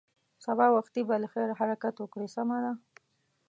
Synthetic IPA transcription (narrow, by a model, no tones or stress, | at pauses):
sabɑwaxt̪ibaləxeɾhaɾakat̪wəkɽesamad̪a